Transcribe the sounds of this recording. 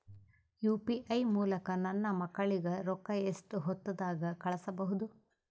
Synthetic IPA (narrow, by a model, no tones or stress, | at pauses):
juːpiʔɐjmuːlɐkɐnɐnːɐmɐkːɐɭiɡɐɾɔkːɐesʈuɦɔt̪ːɐd̪aːɡɐkɐɭɐsɐbɐɦud̪u